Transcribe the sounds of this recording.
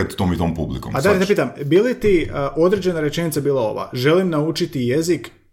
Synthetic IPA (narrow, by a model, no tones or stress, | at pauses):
et̪t̪oːmit̪oːmpublḭkompaaɾet̪epiːt̪ambilit̪iʔo̞d̪ɾe̞d͡ʑe̞naɾe̞t͡ʃe̞nit̪sabiːlˠao̞̰ʋa̰ʒe̞limnaut͡ʃit̪ije̞zik